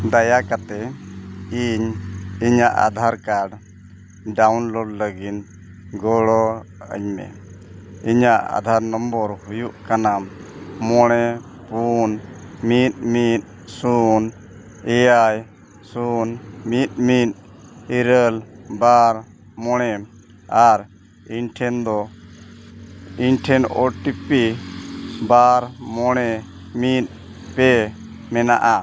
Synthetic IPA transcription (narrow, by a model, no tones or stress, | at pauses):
d̪ajakat̪ɛ | iɲiɲaʔa̰d̪ʱaɾkaɖ | ɖawnlɔɖləɡit̪ | ɡɔɔə̰ɲmɛ̰ | iɲaʔa̰d̪ʱaɾnɔmbɔɾhujuʔkanamːɔɽ̃ɛ | punmit̪̚mit̪̚ | sun | ɛjaj | sunmit̪̚ˀmit̪̚ | iɾəlbaɾ | mɔɽ̃ɛm | aɾ | inʈʰɛnd̪ɔ | inʈʰɛnɔ̰ʈipi | baɾmɔɽ̃ɛ | mit̪̚ | pɛ | mɛna̰ʔa